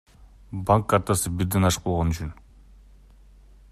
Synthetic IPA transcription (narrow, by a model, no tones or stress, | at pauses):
baŋkːart̪asɯbiɾd̪enɑʃq̚bolˠʁonyt͡ʃyn